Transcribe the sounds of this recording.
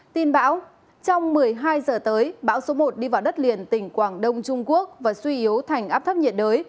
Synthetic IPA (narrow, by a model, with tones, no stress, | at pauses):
t̪i˧˩nɓaː˧˥w | t͡ɕɔ˧wŋ͡mmɨ˨˩əjɦaː˧jzəː˨˩t̪əː˨˦jɓa̰ː˧˥wso˨˦mo˨˩t̚ɗi˧vaː˨˩wɗə˦˥t̚li˨˩ənt̪ï˧˩ŋ̟kwaː˧˩ŋɗə˧wŋ͡mt͡ɕʊ˧ŋ͡mku˦˥ək̚vaː˨˩swi˧ʔi˨˦əwt̪ʰa˨˩jŋ̟ʔaː˦˥p̚t̪ʰə˦˥p̚ɲi˨˩t̚ɗəː˨˦j